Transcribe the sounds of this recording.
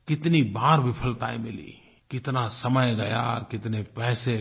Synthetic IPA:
kɪt̪nibaːɾbɪpʰəlt̪aːẽmɪlḭː | kɪt̪nasəməjɡɐja̰ːkɪt̪nepɛːse

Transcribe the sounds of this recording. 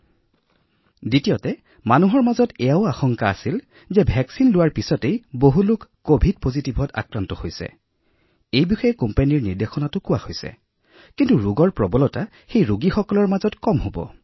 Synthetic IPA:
ditijɔtɛ | manuɦɔɹmazɔtɛjaʊaxɔŋkaa̰sil | zɛbʱɛksinlʊwaɹpisɔtejboɦulʊkːobʱid̚pozitibʱɔta̰kɹantɔhojsɛ̰ | ejbixɔjɛkɔmpaniɹniɹdexɔnatʊkʊwaxojsɛ̰ | kintuɹuɡɔɹpɹɔbɔlɔta | xejɹuɡixɔkɔlɔɹmazɔtkɔmɦobɔ̰

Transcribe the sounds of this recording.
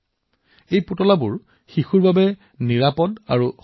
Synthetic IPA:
ejputɔlabuɹ | xixuɹbabɛ | niɹapɔda̰ɹu

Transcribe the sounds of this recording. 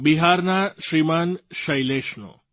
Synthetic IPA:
biɦaɾnaʃɾimanʃəjleʃno̰

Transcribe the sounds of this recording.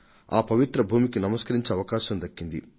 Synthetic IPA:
a̰ːpɐʋit̪ɾɐbʱuːmikinɐmɐskɐɾiɲt͡ʃeɐʋɐkaːʃɐmd̪ɐkːind̪ḭ

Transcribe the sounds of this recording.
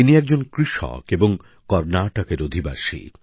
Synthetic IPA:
iniɛk̚d͡ʑonkɾiʃɔ̰keboŋ | kɔɾnaʈokeɾod̪ʱiba̰ʃḭ

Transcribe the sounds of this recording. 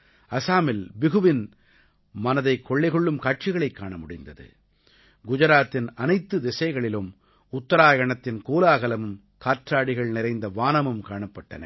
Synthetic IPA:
ɐsaːmɪlbɪɣɯʋɪn | mɐnɐðɐɪkːɔɭːɐɪɣɔɭːɯmkaːʈ̚t͡ʃɪɣɐɭɐɪkːaːɳɐmʊɽɪnd̪ɐðɯ̰ | ɡʊd͡ʒɐɾaːt̪ːɪnɐnɐɪt̪ːɯd̪ɪsɐɪɣɐɭɪlɯm | ʊt̪ːɐɾaːjɐɳɐt̪ːɪnkoːlaːɣɐlɐmɯm | kaːʈɾaːɽɪɣɐɭnɪɾɐɪnd̪ɐʋaːnɐmɯmkaːɳɐpːɐʈːɐ̰nɐ̰

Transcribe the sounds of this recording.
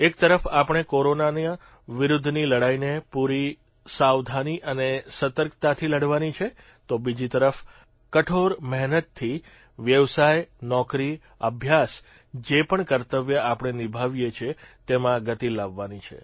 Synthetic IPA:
ek̚t̪əɾəfapəɽ̃ekoɾonanã | ʋɪɾʊd̪ʱniləɽainepuɾi | sawd̪ʱaniʔənesət̪əɾkt̪at̪ʰiləɽʋanit͡ʃʰe | t̪obid͡ʒit̪əɾəf | kəʈʰoɾmɛɦnət̪ʰːi | ʋjəʋsajnɔkɾi | əbʱjas | d͡ʒepəɳkəɾt̪əʋjəapəɳ̃enibʱaʋjet͡ʃʰet̪emãɡət̪ilaʋːanit͡ʃʰḛ

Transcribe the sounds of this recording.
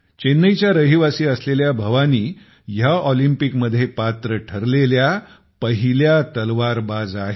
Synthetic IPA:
t͡ɕenːəjt͡ɕjaɾəɦiʋasiːəsleljabʱəʋaniː | jaʔɔlimpikməd̪ʱːjepat̪ɾəʈʰəɾlelja | pəɦiljat̪əlʋaɾbad͡zaɦe

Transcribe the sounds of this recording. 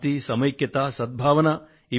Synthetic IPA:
t̪isɐmɐjkjɐt̪aːsɐd̪̚bʱaːʋɐnɐ | i

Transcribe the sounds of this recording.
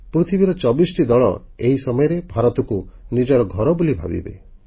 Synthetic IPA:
pɾut̪ʰibiɾɔt͡ʃɔbisɔʈid̪ɔɭɔ̰eɦisɔmɔjɔɾebʱaɾɔt̪ɔkunid͡ʒɔɾɔɡʱɔɾɔbulibʱa̰bḭbḛ

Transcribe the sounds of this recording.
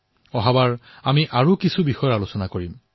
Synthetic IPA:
ɔɦabaɹ | amiʔaɹukisubixɔjɔalosɔnakoɹim

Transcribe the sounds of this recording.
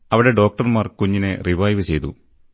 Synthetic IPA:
ɐʋiɽe̞ɖo̞ːk̚ʈɐrmaːrkuɲːinɨriʋɐjʋɨt͡ɕe̞jt̪ṵ

